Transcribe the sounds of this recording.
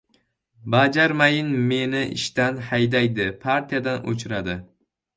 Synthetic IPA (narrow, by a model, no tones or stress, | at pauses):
bad͡ʒaɾmajɪnme̞nɪʔɪ̰ʃt̪anhajd̪ajd̪ɪpʰaɾt̪ʰijad̪ano̰t͡ʃʰʊɾad̪ɪ